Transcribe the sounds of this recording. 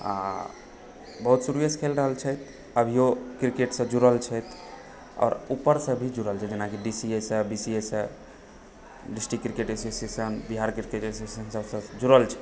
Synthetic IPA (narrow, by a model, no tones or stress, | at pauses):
a̰ | bəɦut̪suɾujeskʰelɾəɦəlt͡ʃʰɛjt̪ | əbʱijokɾikeʈsə̃d͡ʒuɾəlt͡ʃʰɛt̪ | ɔ̰ːɾupːəɾsə̃bʱid͡ʒuɾəlt͡ʃʰɛd͡ʒenakiɖisiesə̃bisiesə̃ | ɖisʈɾikɾikeʈesosesənbiɦaɾkɾikeʈesesənsəbsə̃d͡ʒuɾəlt͡ʃʰɛ